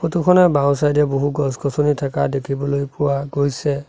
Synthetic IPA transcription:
potukʰɔnɛbaw̃s̬ajdɛboɦuɡɔskɔsɔnitʰakadekʰibɔlojpʊwaɡojsɛ

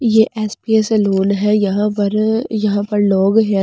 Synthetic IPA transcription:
jeːʔɛːspieseloːnɦɛjɐɦãpɐɾjɐɦãpɐɾloːɡɦɛ

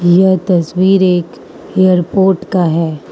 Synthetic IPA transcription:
jɐɦt̪ɐswiːɾeːk | eːjəɾpoːɾʈkaɦɛː

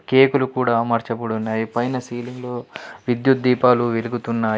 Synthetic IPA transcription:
ke̞ːkulukuːɽaːmɐɾt͡ʃɐbuɽunːaːjipɐjnɐsiːliŋɡloːʋid̪jut̪̚d̪iːpaːluʋeluɡut̪unːaː

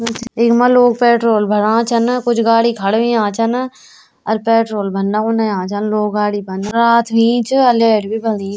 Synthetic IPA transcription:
t͡ʃeːkmaloːɡ̚pɛːʈɾoːlbʱɐɽãːt͡ʃʰɐnkʊt͡ʃʰɡaːɽikʰɐɽʋĩãːt͡ʃʰɐn | əɾpɛːʈɾoːlbʱɐnːaɦonajãːt͡ʃənloːɡɡaːɽibɐnɾaːt̪ʰʋĩːt͡ʃɐleːʈbʱiːbʱɐlĩː

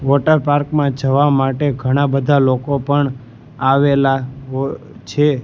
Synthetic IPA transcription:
ʋɔʈəɾpaɾkmãd͡ʒəʋamaʈeɡʱəɽ̃abəd̪ʱalokopəɳ | aʋelaɦo | t͡ʃʰe

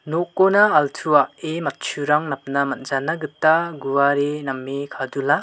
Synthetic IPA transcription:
nokːonaːltʰuaʔemɐt̚t͡ʃʰuɾaŋnap̚namɐt̚zanaɡɯtːaɡuwaɾenɐmːekʰadula

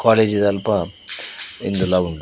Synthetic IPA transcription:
kaːleːd͡ʒid̪ɐlpɐ | ind̪ulaːuɳɖ

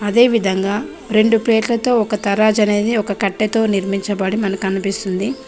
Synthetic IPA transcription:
ɐd̪e̞ːʋid̪ʱɐŋɡaː | ɾe̞ɳɖuple̞ːʈlɐt̪o̞ːɔkɐt̪ɐɾaːd͡ʒɐne̞ːd̪iɔkɐkɐʈːet̪o̞ːniɾmiɲt͡ʃɐbɐɽimɐnɐkɐnipist̪und̪i

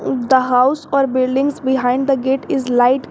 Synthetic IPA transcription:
d̪əɦaʊsɔːɾbɪlɖɪ̃ŋɡzbɪɦãɪ̃ɳɖd̪əɡeːʈɪzlaɪʈ

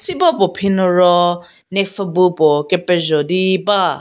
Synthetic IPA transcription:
sibɔpɔpʰinɔɾɔ | nek̚fabupɔkepɛzɔdiba

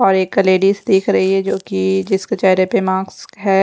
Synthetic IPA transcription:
ɔːɾeːkːɐleːɖiːsd̪eːkʰɾɐɦiɦɛd͡ʒoːkid͡ʒɪskat͡ʃɛːɾepemãːɡsɦɛː

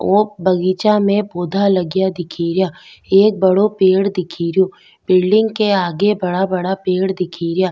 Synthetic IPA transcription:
oːbɐɡiːt͡ʃamẽboːd̪ʱalɐɡjad̪ɪkʰiːɾjaːeːk̚bɐɽopeːɽd̪ɪkʰiːɾɪjoː | bɪlɖɪ̃ŋɡkeaːɡebɐɽabɐɽapeːɽd̪ɪkʰiːɾɪjaː

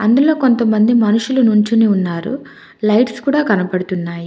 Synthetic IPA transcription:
ɐnd̪ulo̞ːko̞nt̪ɐmːɐnd̪imɐnuʂulɐnuɲt͡ʃuneunːaːɾṵ | lɐjʈskuːɽaːkɐnɐpɐɽut̪unːaːji

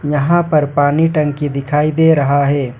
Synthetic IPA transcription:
jɐɦãpɐɾpaːniʈɐ̃ŋkid̪ɪkʰaːid̪eːɾɐɦaɦɛː

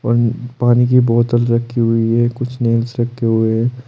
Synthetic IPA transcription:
ɔ̰ːɾpaːnikibɔːt̪əld̪ɾɐkʰːiɦʊiɦɛkʊt͡ʃʰneːlsɾɐkʰːeɦʊeɦɛː

